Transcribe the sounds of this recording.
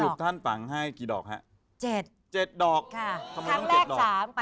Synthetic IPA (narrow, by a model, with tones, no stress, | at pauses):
uː˨˩t̪ʰa˥˩np̪a˩˦ŋɦa˥˩jkiː˨˩dɔː˨˩k̚ɦa˦˥ʔ | t͡ɕe˨˩t̪̚ | t͡ɕe˨˩t̪̚dɔː˨˩k̚kʰa˥˩t̪ʰa˧ma˧a˦˥˧ɔ˧˥leː˥˩kdɔː˨saː˩˦m˧